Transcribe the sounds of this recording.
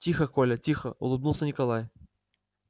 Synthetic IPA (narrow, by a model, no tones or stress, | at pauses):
tʲixəkolʲətʲixəʊ̰lˠɨbnulˠsʲənʲɪkɐlˠaj